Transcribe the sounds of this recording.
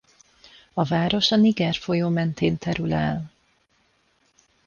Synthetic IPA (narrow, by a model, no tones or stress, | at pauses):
ɒvaːɾo̞ʃɒniɡɛrfo̞joːmɛnt̪ʰeːnt̪ɛɾylɛl